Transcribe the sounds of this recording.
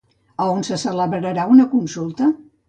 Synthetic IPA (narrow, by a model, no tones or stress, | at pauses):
əonsəsələβɾəɾəɾaunəkunsulˠt̪ə